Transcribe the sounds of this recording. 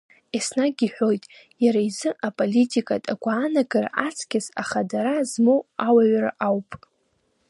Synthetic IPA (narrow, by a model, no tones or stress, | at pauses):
esnaɡʲiħʷᶣo̞jtʼ | jaɾaizɨʔapʼolitʼikʼa̰tʼaɡʷaːnaɡarʔat͡sʰkʲazaχadaɾazmowawaɥraʔawpʼ